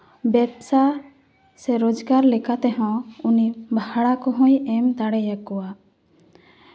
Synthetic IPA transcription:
bɛbsa | sɛɾod͡ʒɡaɾlɛkat̪ɛɦɔ̃unibʱaɽakɔɦɔ̃jɛmt̪aɽɛjakɔwa

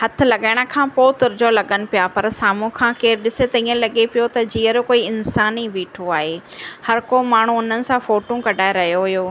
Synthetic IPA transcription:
hɐt̪ʰɪ̆lɐɠaːɪɽ̃ə̆kʰãːpoːt̪ʊɾd͡ʑolɐɠənɪ̆pijapɐɾsaːm̤ũkʰãːkeːɾɗɪset̪ɐĩːə̃lɐɠepijot̪ɐd͡ʑiːəɾkoːiɪnsaːniʋiːʈʰoaːɦeːhɐɾkomaːɳ̤ũʊn̤ənɪ̆sãfoːʈũkɐɖʱaːeɾɐɦijoɦʊjoː

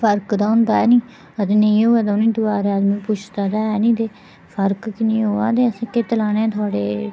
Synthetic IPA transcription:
pʰəɾkd̪aːʊnd̪aːɛːnĩː | ət̪eːnəĩːoːaːd̪aʊnĩːd̪ʊaːɾeaːd̪mĩːpʊt͡ʃʰd̪aːd̪aːɛːnĩːt̪eː | pʰəɾkkɪnĩːɦoːa̰ːd̪eːəsãːket̪əlaːnẽːt̪ʰʊaːɽeː

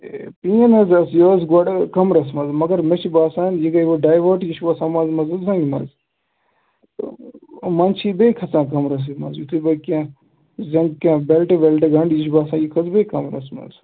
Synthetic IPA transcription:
piːɐnɐzɐsjoːzɡɐɽkɐmɾɐsmɐzmɐɡɐɾmet͡ʃʰibaːsaːnjiɡɐjʋoɖaːjʋoːɾʈjiʃbɐsãːmɐnzmɐzɐzɐŋɡmɐ̰z | mɐnt͡ʃʰibejkʰɐt͡sãːkɐmɾɐs̬imɐ̰zjut̪ʰibɐkʲã | zɐ̃ŋɡkãːbelʈebelʈeɡɐɳɖjiʃbaːsãːjikʰɐzbekɐmɾɐ̰smɐ̰z

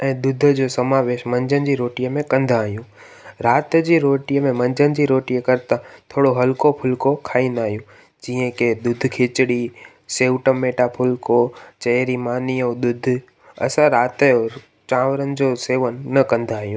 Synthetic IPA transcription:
ɛ̃ːd̪ʊd̪ʱəd͡ʑoːsɐmaːʋeːʃmɐ̃ɲd͡ʑənɪ̆d͡ʑiɾoːʈijəmẽkɐ̃nd̪aːɦijũː | ɾaːt̪d͡ʑiɾoːʈijəmẽmɐ̃ɲd͡ʑənɪ̆d͡ʑiɾoːʈijəkɐɾt̪ãt̪ʰoːɽoɦɐlkopʰʊlkokʰaːĩnd̪aːɦijũ | d͡ʑiə̃ked̪ʊd̪ʱkʰeːt͡ɕɽi | seːʊʈəmːeːʈapʰʊlkot͡ɕɐɾimaːniəd̪ʊd̪ʱ | ɐ̰sãɾaːt̪o | t͡ɕãːʋəɾənɪ̆d͡ʑoːseːʋənːɐkɐ̃nd̪ʱaːɦijũː

